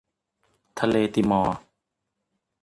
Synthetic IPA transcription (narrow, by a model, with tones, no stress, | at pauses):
t̪ʰa˧leː˧t̪i˨˩mɔː˨˧˩